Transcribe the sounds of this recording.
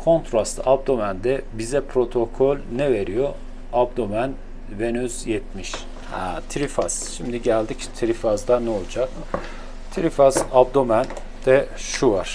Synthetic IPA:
kʰo̞nt̪ʰɾast̪ʰab̚d̪omænd̪ɛbizɛpʰɾo̞t̪ʰokʰolʲnɛveɾijo | ab̚d̪omæn | venyz̥jɛt̪̚miʃ | hɛt̪ʰiɾifaz̥ʃimd̪iɟælʲd̪ict̪ʰiɾifazd̪anɛolˠd͡ʒak | t̪ʰiɾifazab̚d̪omæn | d̪̥ɛʃuvaɾ̥

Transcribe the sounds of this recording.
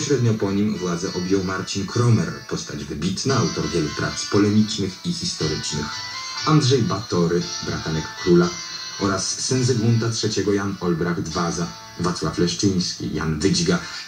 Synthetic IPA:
pɔɕɾɛd̪ɲɔpɔɲimvwad̪zɛʔɔbʲjɔwmaɾt͡ɕinkʰɾɔmɛɾpɔst̪ad͡ʑvɘbʲit̪naawt̪ɔɾvʲjɛlupɾa̰t̪spɔlɛmʲit͡ʂnɘxixʲist̪ɔɾɘt͡ʂnɘx | andʐɛjbat̪ɔɾɘbɾa̰t̪anɛkːɾula | ʔɔɾasːɛnzɛɡunt̪atʂɛt͡ɕɛɡɔjanɔlbɾaɡd̪vaza | vat̪swaflɛʂt͡ʂɘj̃skʲḭja̰nvɘd͡ʑɡa

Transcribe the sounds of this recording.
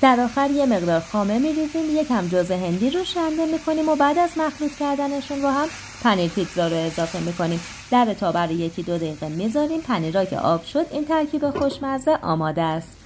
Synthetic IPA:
d̪̥æɾɒːxæɾje̞me̞ɣd̪ɒːɾxɒːme̞miːɾiːziːmje̞cʰhæmd͡ʒozeɦe̞nd̪iːɾoʃænd̪e̞miːkʰo̞niːmobæːd̪æzmæxɾuːt̪cʰæɾd̪æne̞ʃunbɔːɦæm | pʰæniːɾfit̪ʰzɒːɾoe̞zɒːfe̞miːkʰo̞niːm | d̪̥æɾet̪ʰɒːbæɾoje̞cʰid̪o̞d̪eiːɣemizɒːɾiːmpʰæniːɾɒːcʰḛʔɒːb̥ʃo̞d̪iːnt̪ʰæɾcʰiːbe̞xo̞ʃmæɾzeʔɒ̰ːmɒːd̪eæst̪

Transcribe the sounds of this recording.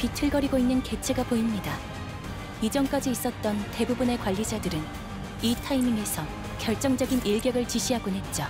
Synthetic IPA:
pitʰɯɭɡʌɾiɡoinːɯnke̞t͡ɕʰe̞ɡapoimɲida | id͡ʑʌŋk͈ad͡ʑiːs͈ʌt̚t͈ʌnte̞bubune̞kwaʎːid͡ʑadɯɾɯn | itʰaimiŋe̞sʰʌ | kjʌɭt͡ɕ͈ʌŋd͡ʑʌɡiniɭɡjʌɡɯɭt͡ɕiɕʰiɦaɡonɦe̞t̚t͡ɕ͈o

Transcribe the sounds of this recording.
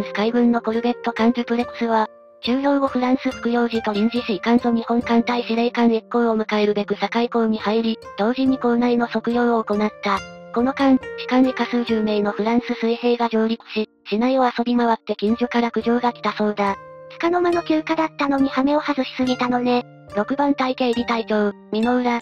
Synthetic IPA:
sɨ̥kaibɯ̟̃nːo̞koɾɯ̟be̞t̪ːo̞kãn̟d͡ʑɨpɯ̟ɾekɯ̥sɨβ̞a | t͡ɕɨːjo̞ːoɸɯ̟ɾãɰ̃sɨɸɯ̥kɯ̟jo̞ːʑit̪o̞ɾʲĩɲ̟d͡ʑiɕiikãnt̪o̞ɲ̟ihõ̞ŋkãnt̪aiɕiɾeikãɰe̞kːo̞ːomɯ̟kae̞ɾɯ̟be̞kɯ̟sakaiko̞ːɲ̟ihaiɾʲid̪̥o̞ːʑiɲ̟iko̞ːnaino̞so̞kɯ̟jo̞ːoːko̞nat̪ːako̞no̞kãŋɕi̥kãnekasɨːʑɨːme̞ːno̞ɸɯ̟ɾãɰ̃sɨsɨihe̞ːɡaʑo̞ːɾʲikɨ̥t͡ɕi | ɕinaioaso̞bʲimaβat̪ːe̞kʲĩɲ̟d͡ʑokaɾakɯ̟ʑo̞ːɡakʲi̥t̪aso̞ːd̪at͡sɨ̥kano̞mano̞kʲɨːkad̪at̪ːano̞ɲ̟ihame̞o̞hazɨɕi̥sɨɡʲit̪ano̞ne̞ | ɾo̞kɯ̟bãnt̪aik̪e̞ːɾʲit̪ait̪o̞ɯ | mʲino̞ɯ̟ɾa

